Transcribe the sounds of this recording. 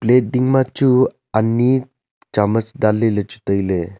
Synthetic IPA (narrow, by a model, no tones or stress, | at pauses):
pleʈ̚diŋmat͡ʃu | anːi | t͡ʃamət͡sd̪alːelet͡ʃu̥t̪əjle